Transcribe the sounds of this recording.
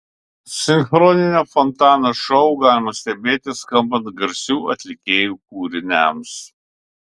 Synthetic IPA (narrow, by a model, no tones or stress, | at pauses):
sʲɪnxɾɔnʲɪnʲoːfɔnt̪ɑːnoʃɔʊɡɑːlʲɪmɐsʲt̪ʲɛbʲeːt̪ʲɪskɐmbɐnt̪ɡɐɾʲsʲuːɐt̪ʲlʲɪkʲeːjuːk̚uːɾʲɪnʲæms